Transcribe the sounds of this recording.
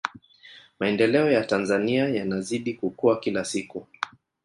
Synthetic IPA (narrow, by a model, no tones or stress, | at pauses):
maɛndɛlɛɔjatanzaniajanaziɗikukuakilasiku